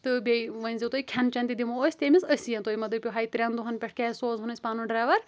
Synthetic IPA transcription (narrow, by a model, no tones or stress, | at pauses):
t̪ɨbʲeʋɐnʲzʲit̪oːikʲʰɐnt͡ʃɐnt̪id̪imooːsʲt̪ʲeːmʲizɐsʲiːɐ̃nt̪oːimɐd̪ɨpʲoɦaːit̪ɾʲɐnd̪uɦɐnpʲɛʈʰkʲɛːsoːzɦunɐsʲpaːnũɖɾaːʋɐɾ